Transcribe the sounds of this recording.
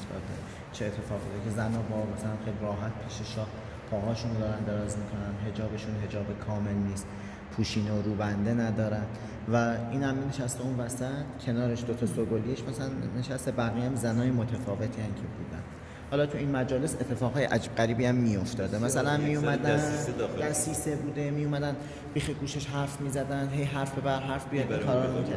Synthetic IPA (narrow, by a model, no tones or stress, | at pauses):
sɒ̰d̪e | t͡ʃʰeːt̪ʰːe̞fɒːɣbḭd̪ecʰe̞zænɒːbɒːmæsælænxejliɾɒːɦæt̪̚pʰiːʃeʃɒːh | pʰɒːɣɒːʃund̪ɒːɾænd̪e̞ɾɒːzmiːkʰo̞nænɦe̞d͡ʒɒːbe̞ʃunɦe̞d͡ʒɒːbekʰɒːme̞lniːst̪ | pʰuːʃiːnooɾuːbænd̪e̞næd̪ɒːɾænd̪ | væiːnhæmneneʃæst̪e̞unvæsæt̪cʰe̞nɒːɾe̞ʃd̪ot̪ʰɒsoɡolieʃmæsælænːeʃæst̪ebæɣiːæmzænɒːjemot̪ʰæfɒːve̞t̪ʰiːæncʰe̞buːd̪æ̰n | hɒːlɒːt̪ʰuiːnmæd͡ʒɒːle̞se̞t̪ʰːe̞fɒːɣɒːjeʔæd͡ʒiːb̚ɢæɾiːbiːæmːijo̞ft̪ɒːd̪emæsælænmijumæd̪æd̪æsiːsebuːd̪e̞mijumæd̪æn | biːxeɡuːʃeʃɦæɾfmiːzæd̪ænd̪ɦe̞jɦæɾfbe̞bæɾɦæɾfbij̪eæɾɒːɾmikʰæ